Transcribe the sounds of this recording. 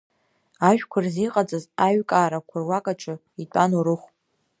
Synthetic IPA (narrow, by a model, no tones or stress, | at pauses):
aʒᶣkʷʰarziqʼad͡zʼazaɥkʼaːɾakʷʰʊrwakʼaʈ͡ʂʰʼɨ | itʷʼanoɾɨχʷ